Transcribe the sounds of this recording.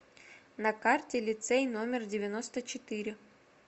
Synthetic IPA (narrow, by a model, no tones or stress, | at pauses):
nɐkartʲɪlʲɪt̪sɛjnomʲɪrdʲɪvʲɪnost̪ət͡ɕɪt̪ɪɾʲɪ